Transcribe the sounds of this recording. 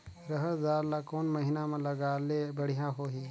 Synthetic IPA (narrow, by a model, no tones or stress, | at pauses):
ɾəɦəɾzaːɾlakoːnmɐɦɪnamẽlɐɡaːlebəɽ̤ijãɦoːɦiː